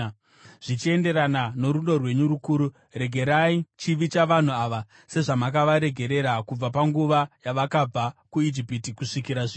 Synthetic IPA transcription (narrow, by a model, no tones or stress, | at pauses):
ʐ̥it͡ʃie̞nde̞ɾanano̞ɾuno̞rwe̞ɲuɾukuːɾu | re̞ɡʱe̞ɾait͡ʃiʋit͡ʃaʋan̤uaʋa | se̞ʐamakaʋaɾe̞ɡʱe̞ɾe̞ɾakub͡vapaŋɡuʋajaʋakab͡vakuid͡ʒipitikuʂikiɾaʐi